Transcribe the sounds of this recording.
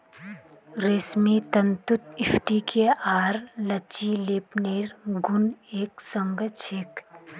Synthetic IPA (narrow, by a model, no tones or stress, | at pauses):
ɾeːsmit̪ɐnt̪ʊt̪ɪpʰʈikʰeaːɾlət͡ʃileːpneːɾɡʊneːksə̃ŋɡəʃʰɪk